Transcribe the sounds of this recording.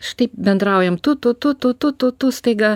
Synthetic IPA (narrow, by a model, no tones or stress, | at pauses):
ʃt̪ipbɛnd̪ɾaːwjɛmt̪ut̪ːut̪ːut̪ːut̪ut̪ːut̪ːust̪eːɡɐ